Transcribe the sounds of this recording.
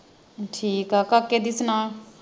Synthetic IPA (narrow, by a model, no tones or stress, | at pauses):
ʈʰiːkaːkakːed̪ɪsnaː